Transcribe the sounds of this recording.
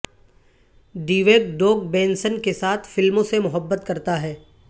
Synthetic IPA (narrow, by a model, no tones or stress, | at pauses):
d̪iːʋeːkɖoːk̚bẽːnsənkesaːt̪ʰfɪlmõsemʊɦəbːət̪kɐɾt̪aɦɛː